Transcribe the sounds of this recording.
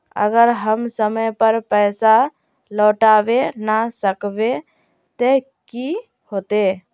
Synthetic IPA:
ə̰ɡəɾɦəmsəməjpəɾpəjsa | lɔʈabenasəkbe | t̪e | ki | hot̪e

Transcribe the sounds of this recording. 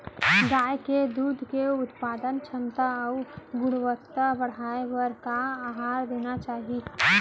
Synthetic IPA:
ɡ̪aːeked̪uːd̪ʱkeʊt̪paːd̪ənt͡ʃʰəmt̪əːʊɡʊɽ̃ʋəkt̪ːəbəɽ̤aːeʋəɾkaaːɦaːɾd̪eːnat͡ʃaːɦi

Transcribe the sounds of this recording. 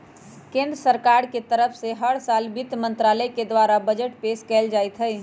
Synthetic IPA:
kẽːnd̪ɾəsəɾkaɾket̪əɾəpʰseɦəɽsaːlbit̪mə̃nt̪ɾaləked̪ʋaɾabəd͡ʒəʈpeːskɛld͡ʒaːɪt̪ɦəj

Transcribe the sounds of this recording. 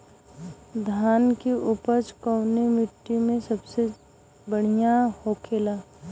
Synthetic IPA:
d̪ʱaːnkeʔʊpəɾt͡ʃkəʊnemɪʈːimẽsɐbse | bəɽ̤ijahokʰeːlaː

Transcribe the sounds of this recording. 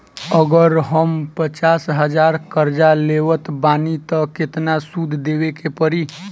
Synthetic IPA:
əɡəɾɦəmpət͡ʃaːsɦəd͡ʒaːɾkəɾd͡ʒaleːʋət̪baːnit̪əkɪt̪nasud̪ʱd̪eːwekepəɾi

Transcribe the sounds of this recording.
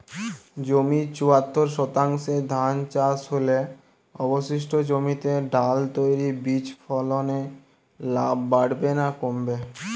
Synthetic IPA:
d͡ʑomit͡ɕuat̪ʰːoɾʃɔt̪aŋʃed̪ʱant͡ɕasɦole | ɔboʃiʃʈʰod͡ʑomit̪eɖalt̪ojɾibit͡ɕfɔlone | labːaɽbenakombe

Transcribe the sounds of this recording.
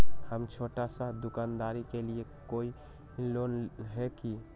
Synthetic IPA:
həmt͡ʃʰoʈasə̃d̪ukand̪aɾikeliekoi | lonɦeki

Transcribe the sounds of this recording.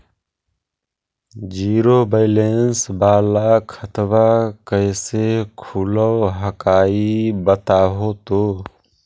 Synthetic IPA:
d͡ʒiːɾoːbəɪleːnsbaːlakʰət̪ʋakəɪsekʰuləwɦəkaːibət̪aːɦot̪oː

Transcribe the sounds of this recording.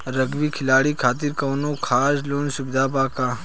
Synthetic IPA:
ɾɐɡʋikʰɪlaːɽikʰaːt̪̬ɪɾkɐːnõːkʰaːsloːnsʊbd̪ʱaːbaːkaː

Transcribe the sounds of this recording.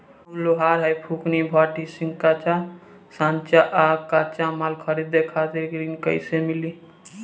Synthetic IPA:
uloɦaɾɦəjpʰuknibʱɔʈisiŋkat͡ʃa | sãnt͡ʃaʔakat͡ʃamalkʰəɾid̪ːekʰat̪iɾɡɾinkə̰ɪsemili

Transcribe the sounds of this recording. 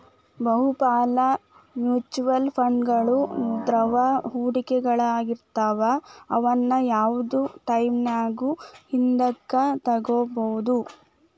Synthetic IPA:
bɐɦupaːlɐ | mjuːt͡ʃuʋɐlpʰɐɳɡɐɭund̪ɾɐʋɐɦuːɽikɛɡɐɭɐaːɡiɾt̪aːʋɐɐʋɐnːɐjaːʋud̪uʈɐjmnaːɡuhind̪ɐɡːɐt̪ɐɡoːbɐɦud̪u

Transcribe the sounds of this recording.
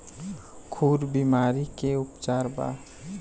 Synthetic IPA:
kʰuːɾbimaːɾikeʊpt͡ʃaːɾba̰

